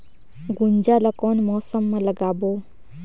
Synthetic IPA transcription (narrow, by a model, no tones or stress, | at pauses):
ɡund͡ʒalʌkɔnmɔsəmːaləɡabo